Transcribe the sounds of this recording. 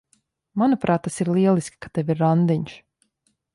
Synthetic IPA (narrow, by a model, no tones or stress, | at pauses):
manupɾʔaːt̪ːasiɾlˠiɛlˠiskʲi̥kat̪eviɾːand̪iɲʃ